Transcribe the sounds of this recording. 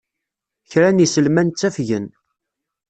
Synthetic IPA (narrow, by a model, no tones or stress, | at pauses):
çɾænisəlmænt͡sːæfʝən